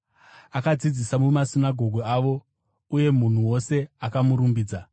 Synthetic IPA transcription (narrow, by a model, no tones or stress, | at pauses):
akad͡zid͡zisamumasinaɡʱo̞ɡʱoaʋo̞ | uje̞mun̤uwo̞se̞akamuɾumbiːd͡za